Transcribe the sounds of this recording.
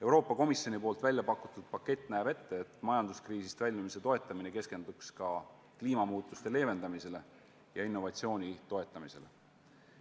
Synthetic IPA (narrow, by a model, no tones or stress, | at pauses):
e̞wɾo̞ːpːˑɑko̞misjo̞nipoːlt̪vælʲjɑpɑkːˑut̪ːˑud̪̥pɑkːˑe̞t̪ˑːnæeb̥e̞t̪ːe̞et̪mɑjɑnd̪̥uskriːsist̪vælʲːmimise̞t̪o̞e̞t̪ːˑɑmine̞ke̞ske̞nd̪̥ukskɑ | kliːmɑmuːt̪ːˑust̪e̞le̞ːve̞nd̪̥ɑmise̞le̞ | jɑinːo̞vɑt̪sio̞ːnʲit̪o̞e̞t̪ˑːɑmise̞le̞̰